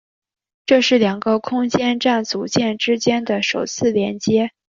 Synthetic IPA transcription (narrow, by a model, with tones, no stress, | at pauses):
ʈ͡ʂɤ˥˧ʂɻ̩˥˩ljɑ˨˩ŋɡə˧kʰʊ˥ŋt͡ɕjɛ˥nʈ͡ʂa˥˩nt͡su˧˥t͡ɕjɛ˥˩nʈ͡ʂɻ̩˥t͡ɕjɛ˥nd̪ə˨ʂo˨˩ʊt͡sʰɹ̩˥˩ljɛ˧˥nt͡ɕjɛ˥